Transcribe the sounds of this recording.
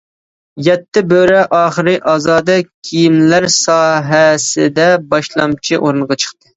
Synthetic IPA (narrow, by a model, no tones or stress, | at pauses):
jɛt̪ːɪbøɾɛʔɑːχəɾɨʔɑːzɑːd̪ɑkʲʰijimlæɾsɑːɦɛsɪ̰d̪ɛbɑʃlˠɑ̰mt͡ʃʰiʔoɾɨnʁɑt͡ʃʰə̥χt̪ɨ